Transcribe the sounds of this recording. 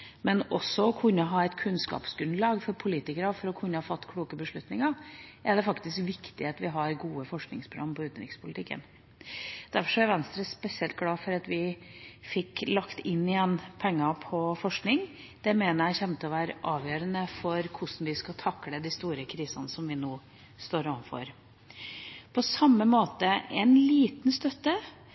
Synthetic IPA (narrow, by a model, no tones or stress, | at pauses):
mɛnɔsːɔɔkʰʉnːɔɦɑːɛɪt̪kʰʉnskɑ̰ːpsɡʉnd̪lɑːɡfɔɾpʰʊliːt̪ɪkəɾəfɔɾɔkʰʉnːəhɑːfɑt̪ːkʰluːkəbəʂɭʉt̪nɪŋɑʔɛɖɛfɑkt̪ɪskʋɪkt̪ɪheːt̪ʋɪɦɑɾɡuːəfɔʂknɪ̰ŋspʰɾɑmːpʰɔʉːt̪nɾɪkspʰʊlɪt̪ɪkːə̰n | d̪̥æɾfɔʂɔæɾʋɛnst̪ɾəspɛsɪɛlt̪̚ɡlɑːfɔɾɑt̪ʋɪfɪkːlɑkt̪ɪnːɪjɛnːpʰɛŋːɑpʰɔfɔʂknɪŋ | d̪̥ɛmeːnəɾjæɪçɛmt̪əɔʋæːɾəʔɑːʋjøːɾənəfɔɾkʰʊʂn̩ʋɪskɑt̪ʰɑkːləd̪ɪst̪uːɾəkʰɾiːsɑnəsɔmʋɪnoː | st̪oːɾɔʋnfɔ̰ɾ | pʰɔsɑmːəmoːt̪əɛnliːt̪nst̪œt̪ːə